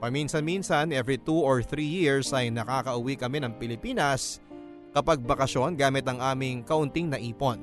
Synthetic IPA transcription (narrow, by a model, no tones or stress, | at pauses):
pɐminsɐnminsɐnʔɛvɹit̪uoɹθɾiːjiɹsʔɐjnɐkaːkɐʔʊwikɐmɛnɐŋpɪlɪpiːnɐs | kɐpɐɡ̚bɐkɐʃo̞nɡaːmɪt̪ɐŋʔaːmɪŋkɐʔʊnt̪iŋnɐʔiːpo̞n